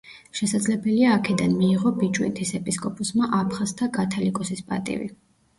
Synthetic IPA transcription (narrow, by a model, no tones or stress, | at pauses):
ʃɛsad̪zlɛbɛliaːkʰɛd̪anmiːʁɔbit͡ʃʼwḭnt̪ʰisɛpʼiskʼɔpʼɔsmaʔapʰχast̪ʰakʼat̪ʰalikʼɔsispʼa̰t̪ʼḭvḭ